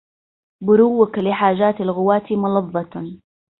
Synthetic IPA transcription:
bʊɾuwːaklɪħaːʒaːt̪alɣʊwaːt̪imʊlɑðˤːɑt̪

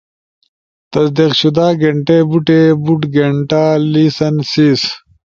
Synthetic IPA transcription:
t̪ɐsd̪iqɕud̪aːɡeɳʈeːbuʈeːbuʈɡeɳʈaːliːsɐnsiːs

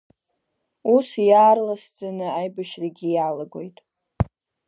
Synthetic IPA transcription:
usjaːrlasd͡zʼanɨajbaʃraɡʲijalaɡo̞jtʼ

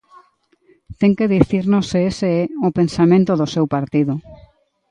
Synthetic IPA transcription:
t̪ɛŋkeðiθiɾnoseeseɛopensamẽnt̪oðosewpaɾt̪iðʊ

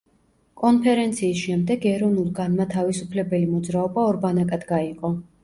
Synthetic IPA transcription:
kʼɔnpʰɛɾɛnt̪sʰiːsʃɛmd̪ɛɡɛɾɔvnulˠɡanmat̪ʰavisupʰlɛbɛlimɔd̪zɾaɔbaɔɾbanakʼad̪ɡaiqʼɔ

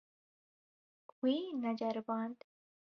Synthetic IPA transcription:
wiːnɐd͡ʒɐɾbãːnd̪

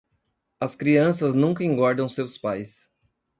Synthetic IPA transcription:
ɐskɾiɐ̃sɐznũŋkɐẽŋɡɔɾd̪ɐ̃w̃sewspajs

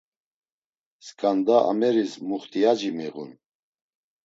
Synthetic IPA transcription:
skʰʼand̪aʔa̰mɛɾismuχt̪ʼiad͡ʒimiʁṵn

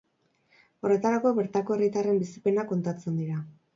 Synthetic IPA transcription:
o̞re̞t̪aɾako̞βe̞ɾt̪ako̞e̞rit̪are̞mbisipe̞nako̞nt̪at͡se̞nd̪iɾa

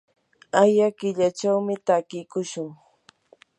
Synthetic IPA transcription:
ajakɪʎat͡ʃawmɪt̪akɪjkʊʃʊŋ

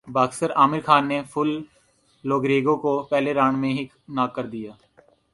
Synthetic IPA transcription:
baːɡsəɾaːmɪɾkʰaːnːepʰʊlː | oːɡɾeːɡõkopɛːleɾaːɳ̃mẽɦi | naːkːəɾd̪ijaː

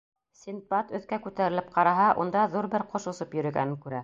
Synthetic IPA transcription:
sʲinpɑt̪ɵ̆θkækʉt̪æɾɘlɘp̚qɑɾɑɦɑʔund̪ɑðuɾbɘɾqʰŏʃŏsɤpjɵ̆ɾɵ̆ɡæ̰nɘŋkʉɾæ

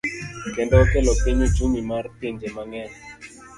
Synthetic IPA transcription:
kɛndɛɔkɛlɔpiɲet͡ʃumimartind͡ʒɛmaŋɛn

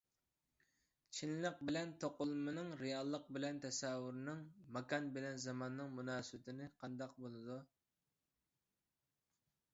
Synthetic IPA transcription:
t͡ʃʰinlɪq̚bɪlɛnt̪ʰoqʊlˠmɨnɨŋɾejɑlˠːəq̚bɪlɛnt̪ʰɛsɛwʊɾnɨŋmɑkɑnbɪlɛnzɑmɑnːɨŋmunɑːsɨbɪt̪ʰɪnɪqʰɑnd̪ɑq̚bolˠɨd̪u

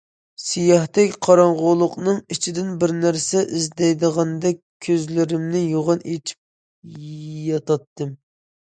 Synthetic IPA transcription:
sijɑht̪ɛkʲqʰɑɾɑɴʁʊlˠʊqnɨŋit͡ʃʰid̪ɪnbɪɾnæɾsɛʔizd̪ɛjd̪əʁɑnd̪ɛk̚ʲkʲʰːøzlɪɾɪmnɪjoʁɑnet͡ʃʰi̥p̚ | jɑt̪ɑt̪ːɨm

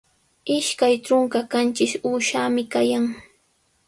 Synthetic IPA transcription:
ɪʃkajʈ͡ʂʊŋkakant͡ʃɪsuːʃaːmɪkajaŋ

